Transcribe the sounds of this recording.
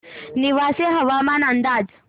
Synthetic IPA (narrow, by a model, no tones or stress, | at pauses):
niʋaseɦəʋamanənd̪ad͡z